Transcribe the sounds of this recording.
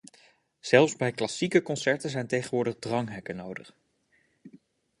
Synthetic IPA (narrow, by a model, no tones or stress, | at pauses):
z̥ɛlˠfzbɛjklɑsikəkɔnsɛɹtənzɛjntejχənʋʊːɹdəχdrɑŋɦɛkənowdəχ